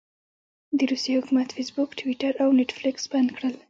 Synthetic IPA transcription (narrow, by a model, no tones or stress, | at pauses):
d̪əɾusjehʊkumat̪fesbukʈwiʈaɾawneʈflɪksband̪kɽəl